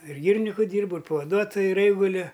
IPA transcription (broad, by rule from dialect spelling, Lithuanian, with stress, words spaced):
ɪr ˈɡʲiːrʲɪnʲɪkʊ ˈdʲiːrbʊ ɪr pɐʋɐˈduɔtoːjʊ ɪr ˈɛɪɡʊlʲʊ